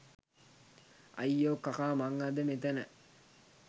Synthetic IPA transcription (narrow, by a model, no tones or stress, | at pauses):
ɐ̰jːoːkːɐkaːmaŋːad̪əmet̪ənə̰